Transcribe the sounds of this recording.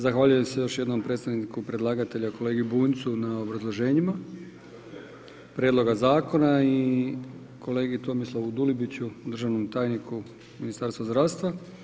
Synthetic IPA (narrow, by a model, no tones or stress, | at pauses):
zaxʋaːʎuje̞msejo̞ʃje̞d̪no̞mpɾe̞t̪st̪aʋnikupɾe̞d̪lˠaːɡat̪e̞ʎako̞le̞ːɡiubuːnt̪sunao̞bɾazlˠo̞ʒe̞ːɲima | pɾjedlˠo̞ɡazaːko̞nai | kʰo̞le̞ːɡit̪o̞mislaud̪ulibit͡ɕud̪rʒaʋno̞mt̪aːjnikʰu | minist̪aɾst̪ʋazd̪ɾaːʋst̪ʋa